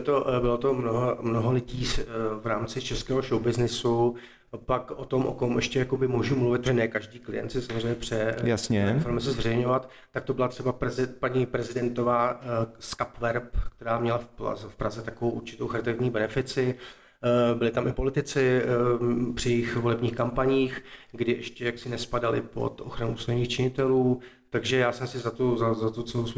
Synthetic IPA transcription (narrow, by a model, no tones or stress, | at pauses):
t̪obɪlo̞t̪o̞mnoɦomnoɦo̞lɪɟiːvɾaːmt͡sɪt͡ʃɛskɛːɦoʃowbɪznɪsu | pakʔot̪o̞mʔo̰ko̞mʔɛʃcɛjakobɪmoʒumluvɪt̪̚pɾɛnɛkaʒdiːklɪ̰jɛ̰nt̪sɪsamozreɛjːɲɛpr̝̥ɛjasɲɛsoɾɛmɛs̬ɛzvɛrɛjɲo̞vat̪ | t̪ːak̚t̪o̞bɪlat̪r̥ɛbapɛzɪpaɲipɾɛzɪdɛnt̪o̞vaːskapvɛɾpkt̪ɛɾaːmɲɛlafla̰zɛfpɾazɛt̪akovowʔuɾt͡ʃɪ̥t̪owxaɾɪt̪aɪvɲiːbɛnɛfɪt͡sɪ | bɪlɪt̪amʔɪpo̞lɪt̪ɪt͡sɪ | pr̥ɪjɛjɪxvolɛbɲiːxkampaɲiːxɡdɪʔɛʃcɛjaksɪnɛspadalɪ̰po̰t̪ʔo̞̰xɾanuʔuːst̪aɲiːxt͡ʃɪɲɪt̪ɛluː | t̪aɡʒɛjaːsɛmsɪzat̪ozazat̪ot͡sos